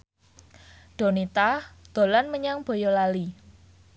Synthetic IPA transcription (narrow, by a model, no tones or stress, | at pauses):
ɖ̥o̤nit̪ad̪̥o̤lanməɲaŋb̥o̤jɔlali